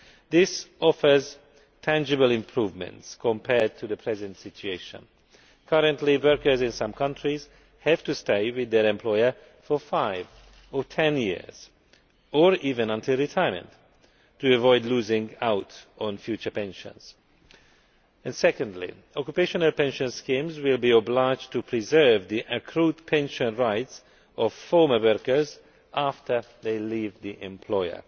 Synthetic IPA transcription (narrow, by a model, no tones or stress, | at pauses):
ðɪsɔfə˞z | tʰæ̃nd͡ʒɪbəlɪ̃mpʰɹuːvmɛ̰̃ntskʰɔ̃mpʰɛɹd̚tʰuðəpʰɹɛzə̃ntsɪt͡ʃueɪʃə̰̃n | kʰʌɾə̃ntliwɜɹkə˞zɪ̃nsʌ̃mkʰʌ̃ntʰɹiz̥ | hɛv̥tusteɪwɪðɛɹɛ̃mpʰlɔjə˞ | fɔfaɪv | ɔtʰɛ̃njḭɹz̥ | ɔɹiːvɛ̃nʌ̃ntʰilˠɹitʰajəmɛ̰̃nt | tːuəvɔɪdluːzɪ̃ŋaʊtɔ̃nfjut͡ʃə˞pɛ̃nʃə̰̃nz̥ | ɨ̃nsɛkə̃ndlḭ | ɔkjupeʃə̃nəlpɛ̃nʃə̃nskĩmzwɪlbiɔblaɪd͡ʒtʰupʰɹizɜ˞vðiʔəkʰɹutpʰɛ̃nʃə̃nɹaɪts | ɔvfɔɹmə˞wɜɹkə˞z | ʔaftʰə˞ | ðeɪlivðiʔɛ̃mpʰl̥ɔɪə̰˞